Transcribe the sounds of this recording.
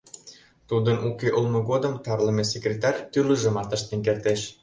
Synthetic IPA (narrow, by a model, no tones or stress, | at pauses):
t̪ud̪ənʔukeʔulmə̆ɣod̪əmt̪ɑrləmesekrʲet̪ɑrʲt̪yləʒə̆mɑt̪əʃt̪enk̬ert̪eʃ